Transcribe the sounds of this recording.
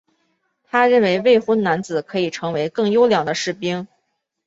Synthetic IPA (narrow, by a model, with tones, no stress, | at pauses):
t̪ʰa˥ɻə˥˩nwe˧˥ɪwe˥˩ɪxə˥nna˧˥nt͡sɹ̩˨˩kʰɤ˧˥i˨˩ʈ͡ʂʰɤ˧˥ŋwe˧˥ɪkɤ˥˩ŋjo˥ʊljɑ˨˩ŋd̪ə˦ʂɻ̩˥˩pi˥ŋ